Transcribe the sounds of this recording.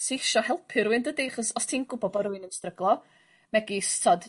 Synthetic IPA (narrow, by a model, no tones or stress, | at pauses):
seʃɔhɛlˠpʰɨɾuɨndədeχɔsɔstʰiːnɡʊbɔbɔɾuɨnənstrəɡlˠɔ | mɛɡistʰɔd